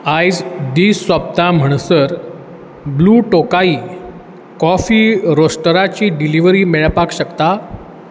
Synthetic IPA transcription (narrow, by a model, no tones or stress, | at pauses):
ajd͡zd̪iːsːʋab̚t̪am̤əɳ̃səɾ | bluːʈokaiː | kɔfiːɾosʈəɾat͡ɕiːɖiliʋɾiːmeɭpakɕəkt̪a